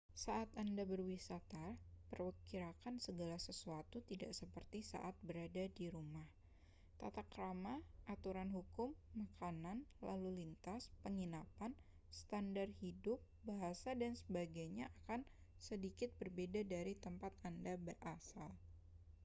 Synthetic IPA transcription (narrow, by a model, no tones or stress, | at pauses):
saʔat̪andabərwisat̪apərwəkiɾakansəɡalasəsuat̪ut̪idaʔsəpərt̪isa̰ʔat̪̚bəɾadadiɾumah | t̪a̰t̪akəɾamaʔat̪uɾanɦukʊmːakananla̰lulint̪aspəŋinapan | st̪andarhidʊp̚baɦasadansəbaɡajɲaʔakan | sədikɪt̪̚bərbedadaɾit̪əmpat̪̚andabərʔasal